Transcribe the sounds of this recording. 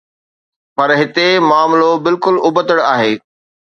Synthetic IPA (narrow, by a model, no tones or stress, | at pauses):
pɐɾɦɪt̪emaːmlobɪlkʊlʊbət̪əɽaːɦeː